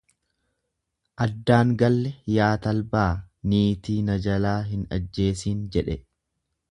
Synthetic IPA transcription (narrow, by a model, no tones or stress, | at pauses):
ʔɐd̪ːaːŋɡɐlːɛjaːt̪ɐlbaːniːt̪iːnɐd͡ʒɐlaːɦɪnɐ̰d͡ʒːe̞ːsiːnd͡ʒɛᶑɛ